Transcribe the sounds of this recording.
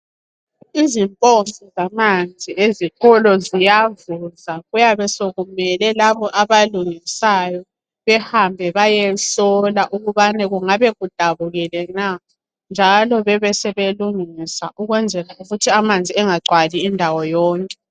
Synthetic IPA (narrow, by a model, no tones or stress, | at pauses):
izimpʼoɱfɔzamand͡zʱieziɣɔlɔzijavuzaɣujaβɛsoɣumɛlɛlaβɔʔaβaluŋisajɔ | βɛhambʱɛβajɛsɔlaʔuɣuβanɛɣuŋaβɛɣud̥ʱaβuɣɛlɛna | nd͡ʒʱalɔβɛβɛsɛβeluŋisaʔuɣwɛnd͡zʱɛlauɣutʰiamand͡zʱiɛŋaǀwaliːndʱawɔjɔːŋkʼɛ